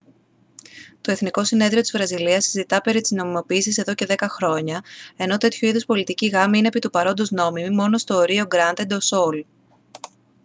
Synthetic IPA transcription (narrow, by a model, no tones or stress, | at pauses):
t̪o̞e̞θniko̞sine̞ðɾio̞t̪izvɾɐziliɐsizit̪ɐpe̞ɾit̪izno̞mimo̞piːsise̞ðo̞ce̞ðe̞kɐxɾo̞ɲɐe̞no̞t̪e̞t̪çuiðospo̞lit̪iciɣɐmiinepit̪upɐɾo̞nd̪ozno̞mimimo̞no̞st̪o̞ːɾio̞ɡɾɐnd̪e̞d̪osol